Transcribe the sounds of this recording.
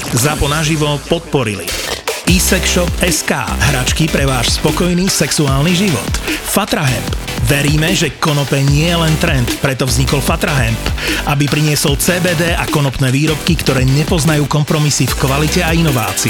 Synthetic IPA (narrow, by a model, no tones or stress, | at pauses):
zapɔnaʒiʋɔpɔt̪̚pɔɾḭlḭiːsɛkʃɔpɛska̰ːɦɾat͡ʃkipɾɛʋaːʃspɔkɔjniːsɛksuaːlniʒiʋɔ̰t̪fat̪ɾaɦɛmp | ʋɛɾiːmɛʒɛkɔnɔpɛɲɪɛjɛlɛnt̪ɾɛnt̪pɾɛt̪ɔvzɲikɔlfat̪ɾaɦɛmpʔabipɾiɲɪɛsɔlt͡sɛːbɛːd̪ɛːʔakɔnɔpnɛːʋiːɾɔp̚kikt̪ɔɾɛːɲɛpɔznajuːkɔmpɾɔmisifkʋalicɛainɔʋa̰ːt͡si